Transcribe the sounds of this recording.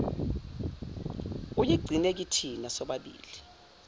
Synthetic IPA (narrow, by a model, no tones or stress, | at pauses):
ujiɡ͡ǀʱinek̬itʰinasɔɓaɓḭːli